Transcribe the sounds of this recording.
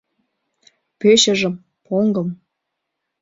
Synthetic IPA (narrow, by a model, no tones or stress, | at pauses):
pøɕə̆ʒə̆m | pʰoŋɡɤ̆m